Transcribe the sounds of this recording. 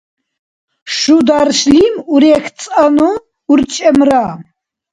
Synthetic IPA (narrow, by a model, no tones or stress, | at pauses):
ʃud̪aɾʃlimuɾɛk̪ʰt͡sʼanuː | ɾt͡ʃʼɛmɾa